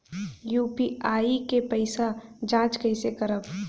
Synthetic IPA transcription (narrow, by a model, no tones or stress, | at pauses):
juːpiaːikepəɪsad͡ʒãːt͡ʃkəɪsekəɾəb